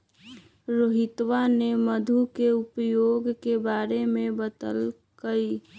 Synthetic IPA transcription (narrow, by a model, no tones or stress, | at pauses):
ɾoːɦɪt̪waneməd̪ʱukeʊpjoːɡkebaːɾemẽbət̪əl | kəi